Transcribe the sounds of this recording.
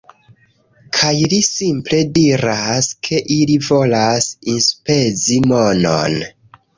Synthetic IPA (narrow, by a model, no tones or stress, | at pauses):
kʰajlisimple̞diɾaskʰe̞ʔilivo̞lasinspe̞zimo̞no̰n